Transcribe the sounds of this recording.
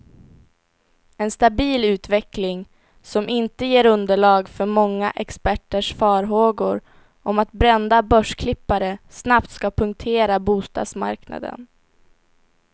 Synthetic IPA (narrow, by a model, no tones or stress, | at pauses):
ɛnst̪abiːlʉ̟ːt̪vɛklɪŋ | sɔmʔɪnt̪əjeːɾɵnd̪əɭɑːɡfœɾmɔŋːaʔɛkspæʈːəʂfɑːɾɦoːɡʊɾ | ʔɔmat̪bɾɛnd̪abœʂkʰlɪpːaɾəsnap̚t̪skapʰɵŋk̚t̪ʰeːɾabuːst̪ɑ̰ːd̪sma̰ɾkna̰d̪ə̰n